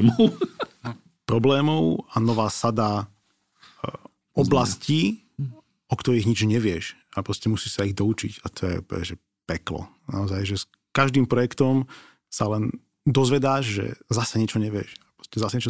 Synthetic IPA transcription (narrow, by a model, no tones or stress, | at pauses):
mʊ | pɾɔblɛːmɔʊanɔʋaːsad̪a | ɔbblasciː | ɔkt̪ɔɾiːɣɲid͡ʒɲɛʋɪɛʃapɾɔscɛmusiːsaiɣd̪ɔut͡ʃḭcat̪ʰɔjɛ̰pɔ̰ɛ̰ʒɛ | pɛklɔ̰ | na̰ɔzajʒɛs | kaʒd̪iːmpɾɔjɛkt̪ɔm | salɛn | d̪ɔzʋɛd̪aːʒʒɛ̰zasɛɲɪɛt͡ʃɔɲɛʋɪɛ̰ʃapɾɔ̥scɛzasɛɲɛt͡ʃɔ